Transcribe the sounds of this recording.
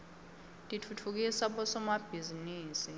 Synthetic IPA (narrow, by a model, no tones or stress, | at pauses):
tʼitʰutʰuk̬isaɓɔsɔmab̥ʱiziniːsi